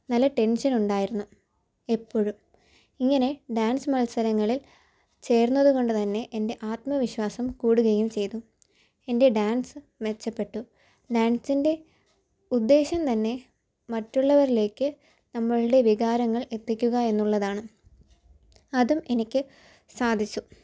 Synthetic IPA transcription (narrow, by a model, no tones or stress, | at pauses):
nɐlːɐʈe̞nɕɐnuɳɖaːjiɾunːu | e̞pːo̞ːɻum | iŋːɐne̞ɖaːnsɨmɐlsɐɾɐŋːɐɭil | t͡ɕe̞ːrnːɐðuɣo̞ɳɖɨt̪ɐnːe̞ʔende̞ʔaːt̪mɐʋiɕʋaːsɐmkuːɽuɣɐjumt͡ɕe̞jt̪u | e̞nde̞ɖaːnsɨ | ʋe̞t͡ɕːɐpːe̞ʈːu | ɖaːnsinde̞ | ud̪ːe̞ːɕɐmt̪ɐnːe̞ | mɐtːuɭːɐʋɐɾile̞ːkːɨ | nɐmːɐɭɨɽe̞ʋiɣaːɾɐŋːɐɭe̞t̪ːikʲːuɣɐe̞nːuɭːɐðaːɳɨ | ɐðume̞nikʲːɨ | saːd̪ʱit͡ɕːu